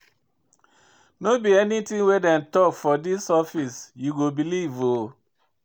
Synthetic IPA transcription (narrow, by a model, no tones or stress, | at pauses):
nobiɛnitĩŋwedɛ̃ntɔkfɔdisɔfisjuɡobilivo